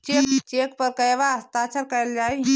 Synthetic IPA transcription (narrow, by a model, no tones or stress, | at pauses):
t͡ʃekt͡ʃekpəɾkəjbast̪at͡ʃəɾkəjld͡ʒaj